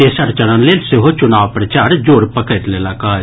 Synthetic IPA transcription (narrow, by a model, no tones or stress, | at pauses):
esɐɾt͡ʃɐɽãnlelsɪɦot͡ʃʊnaːʋpɾɐt͡ʃaːɾd͡ʒoːɾpəkət̪lelaːkaː